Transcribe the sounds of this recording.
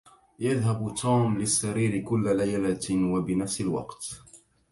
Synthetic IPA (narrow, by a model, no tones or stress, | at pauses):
jaðɦabt̪uːmlɪsːaɾiːɾɪkʊlːalajlawabɪnafsɪlwɑ̰qt̪